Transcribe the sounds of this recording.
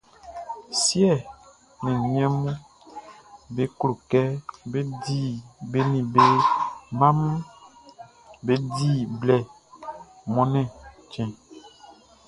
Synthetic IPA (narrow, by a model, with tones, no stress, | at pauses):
sjɛ˦˨ | nɛ̃˨ɲĩ˦ɛ̃˦mũ˦ | be˦klo˨kɛ˦be˦di˦˨be˦nĩ˨be˦mã˦mũ˦ | be˦di˦˨blɛ˨ | mɔ̃˦nɛ̃˦ | t͡ʃɛ̃˨